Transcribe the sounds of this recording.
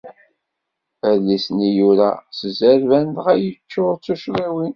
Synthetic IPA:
əlːisnijuɾæ̰səzæɾvænd̪ʁæjət͡ʃːʊɾˤt͡sːuʃɾiwin

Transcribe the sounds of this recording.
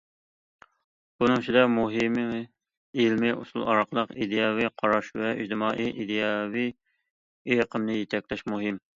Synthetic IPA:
bunɨŋt͡ʃʰid̪ɑmuɦɪm | ilmɪʔṵsṵlˠɑ̰ɾɑqʰəlˠəqid̪ejɑvijqʰɑɾɑʃvɛḭd͡ʒd̪ɨmɑːʔiʔid̪ejɑvi | ejqʰəmnɨjet̪ʰɛk̚ʲlɛʃmuɦɪm

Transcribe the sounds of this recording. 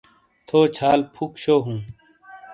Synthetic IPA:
t̪ʰoːt͡ɕʰaːlpʰukɕoːɦũː

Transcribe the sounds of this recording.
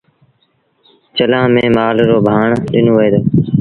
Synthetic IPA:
t͡ʃəlãːmẽːmaːlɾoːbʱaːɳɗɪnoːʋeːd̪oː

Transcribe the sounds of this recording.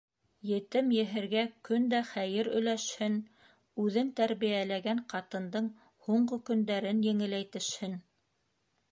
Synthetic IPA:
jɘ̆t̪ɘmjɘ̆ɦɘ̆ɾɡækɵnd̪æχæjɘɾɵ̆jlæʃhɘn | ʉðɘnt̪æɾβijælæɡæɴqɑt̪ɤ̆nd̪ɤɴ | huɴɢokɵ̆nd̪æɾɘnjɘ̆ŋɘ̆læjt̪ɘ̆ʃhɘn

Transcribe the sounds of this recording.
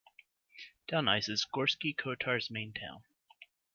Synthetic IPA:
d̥ãʊ̃naɪsɨz̥ɡɔɹskikʰoʊtʰɑɹzmẽɪ̃ntʰã̰ʊ̃n

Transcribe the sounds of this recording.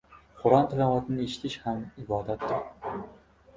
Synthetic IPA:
χʊɾɑnt̪ʰalavat̪ʰnɪeʃɪ̥t̪ʰɪʃhamɪbɒːd̪at̪ːɪɾ

